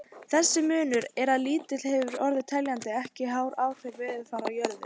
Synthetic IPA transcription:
θɛsːɪmʏːnʏɾɛɾaðliːt̪ɪl̥hɛvʏɾɔɾðɪt̪ʰɛljant̪ɪɛhcɪɦaːwɾaːwfɛɾvɛːðʏfaːɾawjœɾðʏ̰

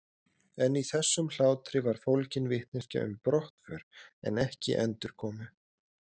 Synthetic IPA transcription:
ɛniθɛsːʏml̥aːwt̪ɾɪvaɾ̥fowlcɪnvɪht̪̚nɪsca̰ʔʏ̰mpɾɔht̪fœɾ̥ɛ̰nɛhcɪ̰ʔɛnt̪ʏɾ̥kʰɔːmʏ

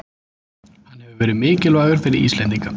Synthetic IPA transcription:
hanːhɛvʏvɛːɾɪðmɪːcɪlvaːɣʏɾ̥fɪɾɪɾḭst̪lɛnt̪iŋka

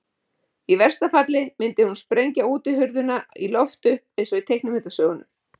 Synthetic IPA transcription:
ivɛr̥st̪afat̪lɪmɪnt̪ɪhunspɾejɲcauːt̪ɪɦʏɾðʏnailɔft̪ʏhpejnsɔit̪ʰejknʏmɪt̪asœːɣʏnʏm

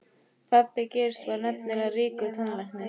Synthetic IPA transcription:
pʰapːɪceɾ̥st̪vaɾnɛp̚nɪlariːkʏt̪ʰanlajhknɪ

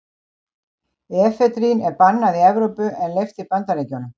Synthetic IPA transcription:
ɛfɛt̪ɾinɛɾpanːaðiɛvɾowpʏʔɛnlejft̪ipant̪aɾeːcawnʏm

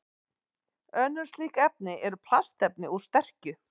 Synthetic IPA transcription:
œnːʏ̥sliːkɛp̚nɪʔɛɾʏpʰlast̪ɛp̚nɪust̪ɛr̥cʏ

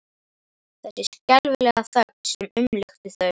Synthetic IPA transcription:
θɛsɪskɛlvʏlɛɣaθœksɛmʏmlʏxt̪ɪθœ

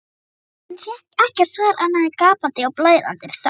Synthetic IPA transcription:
ɛnθjɛ | ɛhcɛ̥svaɾʔanːaðɪkaːpant̪ɪɔɣwplaːjða̰nt̪ɪ̥θ

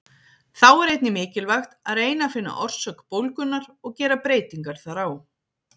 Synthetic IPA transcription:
θawɛɾejt̪̚nɪmɪːcɪlvaxt̪aðreːjnafɪnːa̰ʔɔr̥sœkpowlkʏnːaɾɔɣcɛːɾapɾeːjt̪iŋkaɾ̥θaɾaw

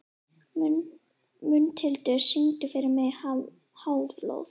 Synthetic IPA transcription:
mʏnt̪ʰɪlt̪ʏsiŋt̪ʏfɪɾɪɾmɛð | haːwflo̰wθ

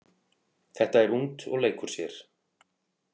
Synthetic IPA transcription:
θɛht̪aɛɾunt̪ɔ̰ɣleːjkʏɾ̥sjɛɾ̥

